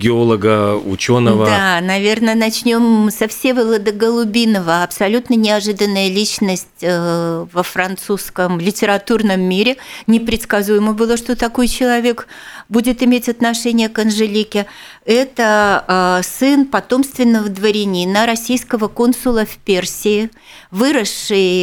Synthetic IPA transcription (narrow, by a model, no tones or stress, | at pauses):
ɡʲɪolˠəɡəʊ̰t͡ɕonəvəd̪anɐvʲe̞rnənɐt͡ɕnʲo̞msɐfsʲevəlˠəd̪əɡəlˠʊbʲinəvəɐpsɐlʲut̪nənʲɪaʐɨd̪ənːəjəlʲit͡ɕnəsʲtʲvəfɾɐnt̪suskəmlʲɪtʲɪɾat̪urnəmːʲiɾʲɪnʲɪpɾʲɪt̪skɐzujɪməbɨlˠəʂt̪o̞t̪ɐkojt͡ɕɪlˠɐvʲe̞kbudʲɪt̪ɪmʲetʲɐt̪nɐʂɛnʲɪjəkənʐɨlʲikʲɪ | ɛt̪ə | sɨnpɐt̪o̞mst̪vʲɪnːəvəd̪vəɾʲɪnʲinəɾɐsʲijskəvəko̞nsʊlˠəfpʲersʲɪɪ | vɨɾəʂːɨj